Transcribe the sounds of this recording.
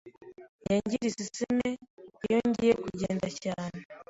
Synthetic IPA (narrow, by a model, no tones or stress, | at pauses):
jaɲɟiɾisisimeijoɲɟijekuɟeːndacaːne